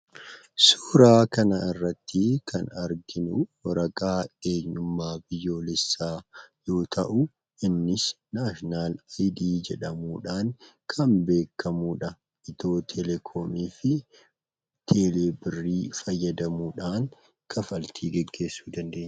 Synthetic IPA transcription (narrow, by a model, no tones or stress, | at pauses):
suːɾaːkɐnɐɪrːɐt̪ːɪkʰɐnɐɾɡɪnuwɐɾɐkʼaːe̞ːɲːʊmːaːbɪjːo̞ːlɛsːaːjo̞ːt̪ʰɐʔʊ | ʔɪnːɪs | naːʃnaːlajd̪iːd͡ʒɛᶑɐmuːᶑaːŋkʰɐmbe̞ːkːɐmuːᶑɐ | ʔɪt̪o̞ːt̪ʰɛlɛkʰoːmiːfɪ | t̪ʰeːleːbɪrːiːfɐjːɐd̪ɐmuːᶑaːŋ | kʰɐfɐlt̪ʰiːɡɛɡːe̞ːsːuːd̪ɐnd̪e̞ːɲː